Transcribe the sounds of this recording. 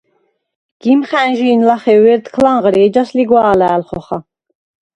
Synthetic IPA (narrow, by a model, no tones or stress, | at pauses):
ɡ̥imχænʒiːnlaχɛwɛɾd̪kʰlaɴʁɾiɛd͡ʒasliɡwaːlæːlχɔχa